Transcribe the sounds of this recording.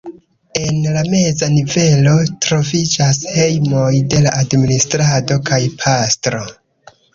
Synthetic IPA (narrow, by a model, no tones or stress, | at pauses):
e̞nlame̞zanive̞lo̞tɾo̞vid͡ʒashe̞jmo̞jde̞laʔadministɾado̞kajpʰastɾo̞